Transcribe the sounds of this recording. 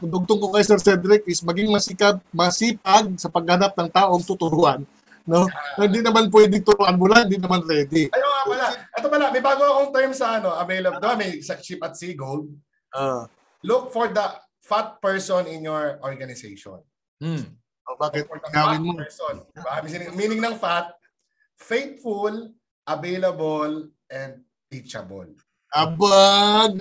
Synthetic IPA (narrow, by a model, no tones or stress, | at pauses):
d̪ʊɡ̚t̪oŋkokɐjsɛɾsɛd̪ɾɪk̚ɪsmɐɡɪŋmɐsikɐp̚mɐsiːp̚ɐɡ̚sɐpɐɡ̚hɐnap̚nɐŋt̪aːʔo̞ŋt̪ʊt̪ʊɾuʔanː | o̞ɐɪnd̪inɐmanp̬wɛːd̪ɪŋt̪ʊɾoʔɐnmʊlaŋɪnd̪inɐmanɾɛːd̪ɪɐjoŋapɐlaʔɛt̪opɐlamɐjbaːɡoɐkoŋt̪ɛɹmsɐʔɐnoʔɐvejlɐb̚d̪omɐjsɐk̚t͡ʃip̚ɐt̪̚siɡold̪̚ | ʔo | lʊk̚fɔɹd̪ɐ | fat̪̚pɛɹsɔnɪnjɔɹʔɔɹɡɐnɪsejʃɔ̰n̩ | ʔobaːkɪt̪̚ɐɐŋɡaːwɪnmopɛɹsonbamsɪnɪmiːnɪŋnɐŋfat̪̚ | fejt̪̚ful | ʔɐvejlɐbol | ʔɛnd̪̚ | pit͡ʃɐ̰bo̰l | ʔɐbaɡ̚